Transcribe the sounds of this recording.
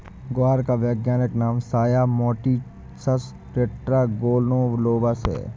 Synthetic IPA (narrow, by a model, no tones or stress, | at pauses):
ɡʊaːɾkaʋjəːɡjaːnɪknaːmsaːjamɔːʈi | sɐs | ʈeːʈɾaːɡoːlnõːʋloːʋasḛː